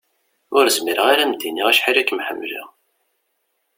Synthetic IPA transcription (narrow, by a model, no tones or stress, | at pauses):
ʊɾəzmiɾəʁaɾæmd̪iniʁæʃħilækːmħə̰mːʒæ̰